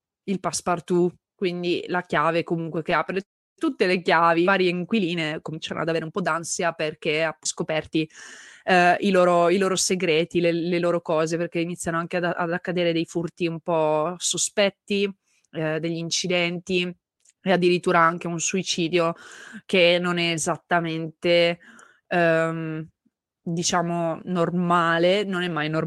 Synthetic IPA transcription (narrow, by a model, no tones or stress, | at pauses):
ilpaspart̪u | kwind̪ilakjaːvekomuŋkwekeapɾe | t̪ut̪ːelekjaːvivaːɾjeiŋkwiliːnekomint͡ʃaɾono̰ad̪aveːɾeumpɔd̪ansjaperk̟easkopɛrt̪i | iloːɾoiloːɾoseɡɾeːt̪ileleloːɾokɔːzeperk̟einit̪sʲːjanoaŋk̟ead̪aʔa̰d̪akːad̪eːɾed̪ejfurt̪iumpɔsospɛt̪ːi | d̪eʎːiint͡ʃid̪ɛnt̪i | ead̪ːiɾit̪ːuːɾaaŋk̟eunsuit͡ʃiːd̪jokenːonɛːzat̪ːament̪e | m | d̪it͡ʃaːmonormaːlenonɛmːajnor